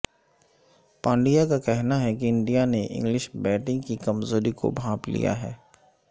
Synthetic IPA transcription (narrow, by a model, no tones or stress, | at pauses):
pãːɳɖijakakɛɦnaɦɛkiɪ̃ɳɖijaneʔɪ̰̃ŋɡlɪʃbɛːʈɪ̃ŋɡkikɐmzoːɾiko̰bʱãːplḭja̰ɦɛː